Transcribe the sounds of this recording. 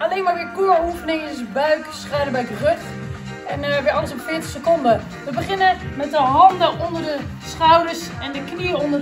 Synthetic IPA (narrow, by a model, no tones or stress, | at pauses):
aleːnʋaʋɪkuəufənɪŋɪsbœɥksχaːdəbœɥk̚ərøt | ɛnʋɪɔləsɔpfɪːtəχsəkondə | ʋəbəχɪnəmɛt̚dəɦɑndəʔondərdəsχawdərsɛndəkniəondə